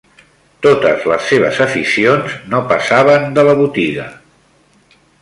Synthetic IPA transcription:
t̪ot̪əzləsːeβ̞ə̰zəfisionznopəsaβənd̪ələβut̪iɣə̰

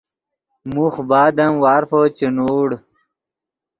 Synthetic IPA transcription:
muxbaːd̪ɐmwaːɾfot͡ɕenoːɽ

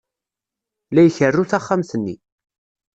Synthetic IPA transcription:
læjəçərːuθaχːamθənːḭ

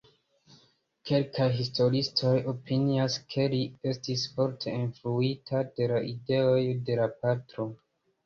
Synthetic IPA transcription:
kʰe̞lkʰajɦistʰo̞ɾistʰo̞jo̞pʰiniaskʰe̞lie̞stisfo̞ɾtʰe̞influitʰad̥e̞laʔide̞o̞jde̞lapatɾo̞

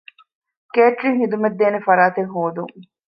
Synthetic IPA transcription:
keːʈɾiŋɦid̪umɐd̪ːeːnefɐɾaːt̪eŋɦoːd̪uŋ

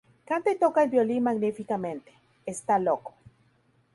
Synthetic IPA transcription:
kaːnt̪eit̪oːkailbjolinmaɡnifikament̪e̥ | est̪aloko̥

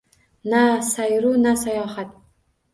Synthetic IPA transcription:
nasajɾunasajɒːhat̪

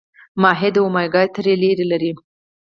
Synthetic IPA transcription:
mɑɦed̪awmɑjɡɑjt̪əɾeleɾelaɾi

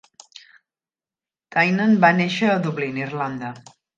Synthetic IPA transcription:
t̪ajnənbaneʃəːðuβlinirland̪ə

